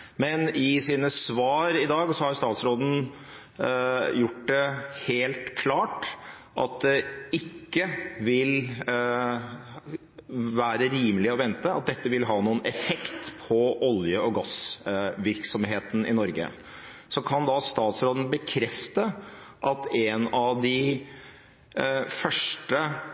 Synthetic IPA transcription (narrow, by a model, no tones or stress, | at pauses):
mɛnɪsiːnəsʋɑːɾɪd̪ɑːɡsɔhɑɾst̪ɑːt̪sɾoːd̪n̩ | jʊʈ̚d̪ɛheːlt̪kʰlɑːʈ | ʔɑ̰t̪̚d̪ɛɪkːəʋɪl | ʋæːɾəɾiːməlɪɔʋɛnt̪əɑ̰t̪̚d̪ɛt̪ːəʋɪlɦɑːnuːənɛfɛkt̪pʰɔʔɔljəɔɡɑsʋɪɾksɔmɦeːt̪n̩ɪ̰nɔɾɡə̰ | sɔkʰɑnd̪ɑst̪ɑːt̪sɾoːd̪ən̩bəkʰɾɛft̪əʔɑt̪ɛnɑʋd̪ɪ | fœʂʈə